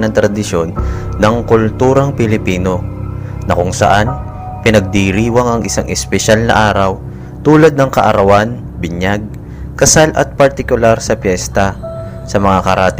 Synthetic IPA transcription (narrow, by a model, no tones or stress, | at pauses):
nɐŋt̪ɾɐd̪ɪʃjo̞nːɐŋkʊlt̪uːɾɐŋpɪlɪpiːno̞nɐkʊŋsɐ̰ʔan | pɪnɐɡ̚d̪iɾiːwɐŋɐŋɪsaŋʔɪspɛʃalnɐ̰ʔaːɾɐw | t̪uːlɐd̪̚nɐŋkɐʔɐɾɐwan | bɪɲjaɡ̚ | kɐsalʔɐ̰t̪̚pɐɾt̪ɪkʊlaɾsɐpjɛst̪ɐ | sɐmɐŋakɐɾʔaːt̪